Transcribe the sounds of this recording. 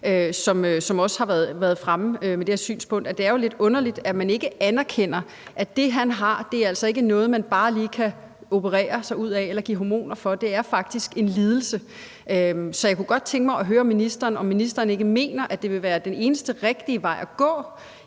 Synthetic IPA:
øsɒ̽møsɒ̽mɒ̽shɑ̈ʋæɐðˠʋæːɐð̞̩ˠfʁaməømed̥e̝heɛɐsy̰ːnspʰɔ̽ŋ̰d̥æd̥e̝æɐjo̝le̝d̥ɔ̽nɐlid̥æmæne̝ɡ̥əʔænæɐkʰen̰ɐ | ʔæd̥e̝ɦænɦɑ̈d̥e̝æɐæl̰sɒ̽e̝ɡ̥ənɔ̽ːð̞̩ˠmænb̥ɑ̈ːliːkʰæ | o̝pʰəʁɛ̰ːɐsɑ̈ɪuð̞̰ˠɛelɐɡ̥ḭːɦomo̝̰ːnɐfɒ̽d̥e̝æɐfɑ̈ɡ̥̚d̥isɡ̥e̝nliːð̞ˠl̩sə | øsɒ̽jakʰuɡ̥ɒ̽d̥̚t͡sʰeŋɡ̥əmɑ̈ɪɒ̽ɦøːɐɒmːinisd̥ɐːnɒ̽mːinisd̥ɐːne̝ɡ̥əme̝̰ːnɐʔæd̥e̝ʋe̝ʋæːɐd̥ene̝ːnəsd̥əʁeɡ̥̚d̥iəʋɑ̈ɪ̰ʔæɡ̥ɔ̰̽ː

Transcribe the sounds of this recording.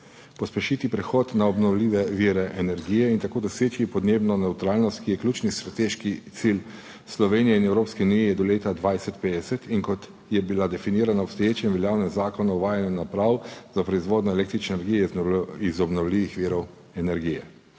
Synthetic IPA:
pɔspɛʃit̪ipɾɛxɔt̪naɔbnɔwliːʋɛʋiːɾɛʔɛnɛɾɡiːjɛint̪akoːd̪ɔseːt͡ʃipɔd̪neːbnɔnɛwt̪ɾaːlnɔst̪kijɛklʲuːt͡ʃnist̪ɾat̪eːʃkit̪sil | slɔʋeːnijɛinɛwɾoːpskiunijɛjɛd̪ɔleːt̪ad̪ʋajsɛt̪peːd̪ɛsɛt̪iŋkɔt̪ | jɛbilad̪ɛfiniːɾanaɔpst̪ɔjeːt͡ʃɛmʋɛljaːwnɛmzaːkɔnɔwʋaːjanjɛnapɾawzapɾɔizʋoːd̪nɔɛleːk̚t̪ɾit͡ʃnenɛɾɡijɛizɔbnɔwliːʋixʋiːɾɔw | ɛnɛɾɡijɛ

